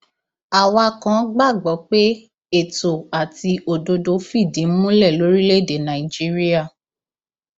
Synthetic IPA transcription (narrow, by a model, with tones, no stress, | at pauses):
a˨wa˧kã˨˦ɡ͡ba˦˨ɡ͡bɔ˨˦k͡pe˦ | e˦˨to˨a˨ti˧ʔo˨do˧do˧fi˦˨dĩ˨˦mũ˦lɛ˦˨lo˨˦ɾi˦le˦˨de˨nã˨i˨d͡ʒi˦ɾi˦a˦˨